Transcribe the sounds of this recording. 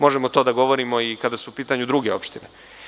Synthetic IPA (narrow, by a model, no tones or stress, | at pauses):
mo̞ʒemot̪o̞d̪aɡo̞ʋo̞ɾimo̞ikad̪asuupiːt̪aɲud̪ɾuɡe̞o̞̰pʃt̪ine̞